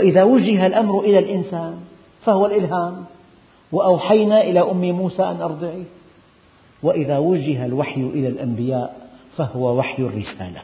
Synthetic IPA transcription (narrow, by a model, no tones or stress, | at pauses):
ʔɪðawaʒɪɦalʔamɾʊʔɪlalʔɪnsaːn | fahʊwalʔɪlɦaːm | wɪʔawħajnaʔɪlaʔʊmːɪmuːsaʔanʔɑɾˤd̪ˤɪʕi | wɪʔɪðawad͡ʒɪɦalwaħjʊʔɪlalʔambɪjaːʔfahʊwawaħjarːɪsa̰ːla